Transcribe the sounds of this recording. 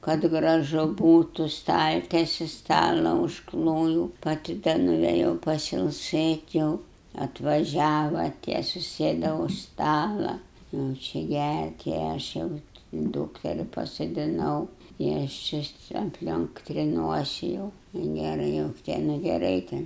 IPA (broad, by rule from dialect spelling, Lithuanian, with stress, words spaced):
kɐt ɡrɐˈʒʊ ˈbuːtʊ ˈstɐlʲtʲɛsʲɪ ˈstɑːlˠɐ ʊʃˈklˠoːjuːʊ pɐˈtʲɪ dɐ nʊʋʲeːˈjɛʊ pɐsʲɪlˠˈsɘtʲ jɛʊ ɐtʋɐˈʒʲæːʋɐ tʲiɛ sʊˈsʲeːdɐ ʊʃ ˈstɑːlˠɐ jɛʊ ˈt͡ʃʲɛ ˈɡʲært ɪ ˈɐʃ jɛʊ ˈduːktʲɛrʲɪ pɐsoːdʲɪˈnɐʊ ɪ ˈɐʃ t͡ʃʲɪ ɐpʲˈlʲoːŋk tʲrʲɪˈnuɔsʲɪ jɛʊ ɪ ˈnʲeːrɐ jɛʊ tʲɛ nʊ ɡʲɛˈrɐɪ tʲɛn